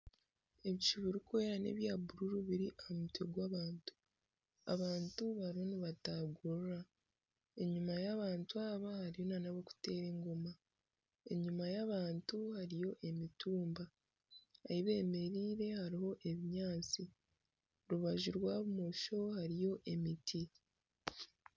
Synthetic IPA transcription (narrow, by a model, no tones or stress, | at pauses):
e̞βit͡ʃiβiɾikweɾane̞̰βjaːbuɾuɾuβiɾiʔamuteɡwaːβaːntu̥ | a̰βaːntuβaɾioniβataɡoɾɾa | e̞ɲumajaβaːntuaβahaɾijo̞nanaβoku̥te̞ːɾe̞ːŋɡo̞ma | e̞̰ɲumajaβaːntuhaɾijo̞ʔe̞mituːmba | a̰iβe̞ːme̞ɾiːɾe̞haɾiho̞ʔe̞βiɲaːt͡si | ɾuβaʒuɾwaːβumoʃo̞haɾijo̞ʔe̞mitʰi